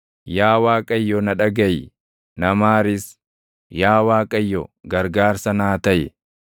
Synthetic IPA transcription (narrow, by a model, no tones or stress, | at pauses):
jaːwaːkʼɐjːɔnɐᶑɐɡɐj | nɐmaːɾɪs | jaːwaːkʼɐjːɔɡɐɾɡaːɾsɐnaːt̪ɐjɛ̰